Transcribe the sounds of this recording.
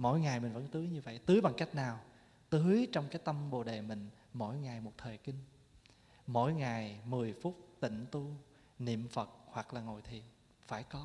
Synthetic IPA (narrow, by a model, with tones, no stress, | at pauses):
mo̰˧˥jŋa˨˩jmï˨˩ŋ̟və̰˧˥nt̪ɨ˨˦jɲɨ˧və̰˧˨jt̪ɨ˨˦jɓa˨˩ŋka˦˥jk̟̚naː˨˩w | t̪ɨ˨˦jt͡ɕɔ˧wŋ͡mkaː˨˦jt̪ə˧mɓo̰˧˨˩ɗe˨˩mï˨˩ŋ̟ | mo̰˧˩jŋa˨˩jmo˨˩t̚t̪ʰəː˨˩jkï˧ŋ̟ | mo̰˧˥˨jŋa˨˩jmɨ˨˩əjfu˦˥t̚t̪ḭ̈˧˨ŋ̟t̪u˧ | nḭ˧˨əmfə˨˩t̚hwa˨˩k̚laː˨˩ŋo̰˧˨˩jt̪ʰḭ˧˨ən | faː˧˩jkɔ˨˦